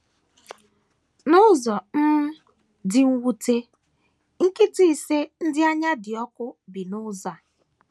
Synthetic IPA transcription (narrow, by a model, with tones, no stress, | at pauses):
nʊ˦zɔ˨m̩˦ | dɪ˨ŋ̩˦wu˦te˦ | ŋ̩˦ki˦ti˦i˦se˦n̩˦dɪ˦a˦ɲa˦dɪ˨ɔ˦kʊ˦bi˨nʊ˦za˨